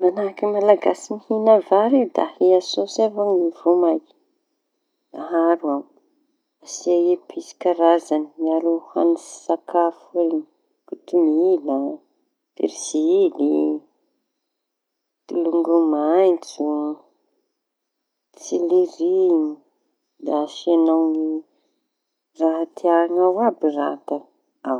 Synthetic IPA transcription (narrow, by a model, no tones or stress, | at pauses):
manakimalaɡasimihinavaɾed̪a̰hiasosevaŋivomajki̥ | aɦaɾuam | asiajepʰisi̥kaɾazanimiaɾuha̰ni̥sakafui | kut̪umila | pḛɾiz̥ili | t̪iluŋɡumajnt͡su | t͡siliɾini | d̪aʃanawni | raɦat̪ʰiaaŋawabirat̪a | aw